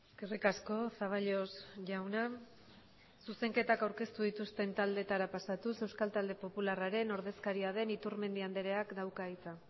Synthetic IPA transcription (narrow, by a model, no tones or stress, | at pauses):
eskerikasko̞saβ̞aʎo̞sʝawna | suse̞ŋke̞t̪akawɾke̞st̪uðit̪ust̪e̞nt̪ald̪e̞t̪aɾapasat̪use̞wskalt̪ald̪e̞po̞pularaɾe̞no̞ɾðe̞skaɾiað̞e̞nit̪uɾme̞nd̪iand̪eɾe̞akd̪awkait͡sa